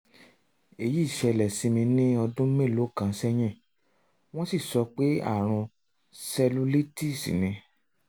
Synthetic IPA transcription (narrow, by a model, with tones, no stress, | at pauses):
e˨ji˦˨ʃɛ˧lɛ˨si˧mĩ˧nĩ˦ɔ˧dũ˦mẽ˦˨lo˨˦kã˧˨sɛ˦j̃ɛ̃˦˨ | w̃ɔ̃˦si˦˨sɔ˨˧k͡pe˦a̰˦˨ɾ̃ũ˧ | sɛ˧lu˦li˦ti˦˨sḭ˨nĩ˧